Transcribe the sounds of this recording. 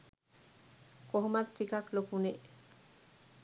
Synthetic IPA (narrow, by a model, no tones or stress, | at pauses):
koɦomat̪ːɾikaklokune